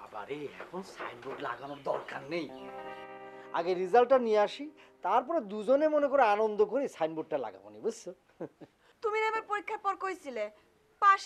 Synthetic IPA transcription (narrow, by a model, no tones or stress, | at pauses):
a̰ba̰ɾeɛ̰kʰonsa̰jnboʈla̰ɡanoɾd̪ɔɾkanːej | a̰ɡeɾːizalʈːanieaʃit̪aɾp̬ɔɾed̪ud͡ʑonemonekoɾeanond̪okoɾisajnbuʈːala̰ɡa̰bo̰nibus | t̪uminɛbaɾpoɾikʰːapɔɾkojsʰile | paʃ